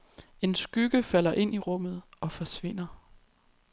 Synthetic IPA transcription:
e̝nsɡ̥yɡ̥əfæl̰ɐʔe̝n̰iʁɔ̽m̰ð̞̩ˠɒ̽fɒ̽sʋe̝n̰ɐ

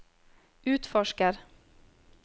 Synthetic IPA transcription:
ʉ̟ːt̪fɔʂkəɾ

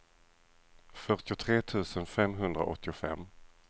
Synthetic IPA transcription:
fœʈɪʊt̪ʰɾeːt̪ʰʉ̟ːsənfɛmɦɵnd̪ɾa̰ʔɔ̰t̪ːɪʊfɛ̰mː

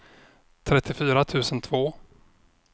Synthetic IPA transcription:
t̪ʰɾɛt̪ːɪfyːɾat̪ʰʉ̟ːsənt̪ʰvoː

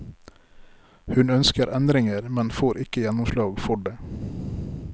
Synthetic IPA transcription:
hʉnœnskəɾʔɛnd̪ɾɪŋəɾmɛnfoːɾʔɪkəjɛnʊmslɑːɡfɔɖeː

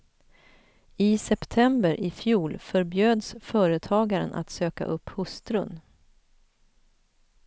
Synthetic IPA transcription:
ɪsɛpt̪ʰɛmbəɾʔɪfjuːlfœɾbjøːd̪sfœːɾət̪ʰɑːɡaɾə̰nʔa̰t̪søːka̰ʔɵpːhɵst̪ɾɵ̰n

